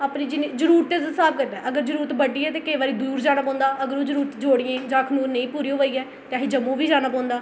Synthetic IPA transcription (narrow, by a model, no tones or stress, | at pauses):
aːpnĩːd͡ʒɪneːd͡ʒəɾuːɾt̪ezsaːb̚ɡəɖɛːʔəɡəɾd͡ʒəɾuːɾət̪bəɖiːɛːt̪eːkəiːʋaːɾiːd̪uːɾd͡ʒaːnəpãːnd̪aːʔəɡəɾoːd͡ʒəɾuːɾt̪d͡ʒoːɽɪjẽːd͡ʒãːkʰənuːɾnẽĩːpuːɾiːɦoʋaiːɛː | t̪eaːɦiːd͡ʒəmõːʋiːd͡ʒaːnəp̬ɔ̃ːnd̪aː